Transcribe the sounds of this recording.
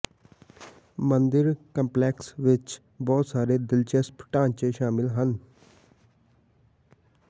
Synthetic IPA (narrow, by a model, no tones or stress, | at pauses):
mənd̪ɪɾkəmplɛːksʋɪt͡ʃ | bɔːt̪saːɾeːd̪ɪlt͡ʃespə̥ʈãːɲt͡ʃeːʃaːmɪlɦən